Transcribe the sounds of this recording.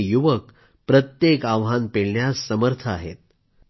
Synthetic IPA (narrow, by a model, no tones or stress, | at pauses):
juʋək | pɾət̪jekaʋɦanpeɭɳjasːəməɾt̪ʰəaɦḛt̪̚